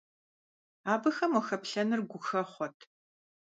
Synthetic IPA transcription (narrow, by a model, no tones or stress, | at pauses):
aːbɐxɐmwɔxɐpɬɐnɨrɡʷʊxɐχʷɔtʰ